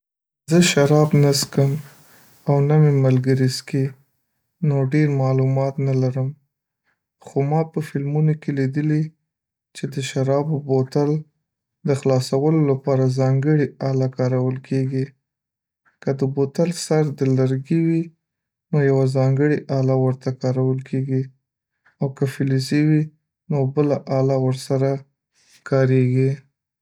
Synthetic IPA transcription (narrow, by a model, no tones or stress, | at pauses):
zəʃaɾɑbnaskəm | awnamemalɡəɾiski | noɖeɾmɑlumɑt̪nalaɾəm | xomɑpəfɪlmunokelid̪əli | t͡ʃed̪əʃaɾɑbobot̪al | d̪əxlɑsawəlolapɑɾazɑŋɡəɽiɑlakɑɾawəlkʰeɡi | kəd̪əbot̪alsaɾd̪əlaɾɡiwi | nojawazɑŋɡəɽiʔɑlawəɾt̪akɑɾawəlkʰeɡi | awkəfɪliziwi | nobəlaʔɑlawəɾsaɾa | kʰɑɾeɡi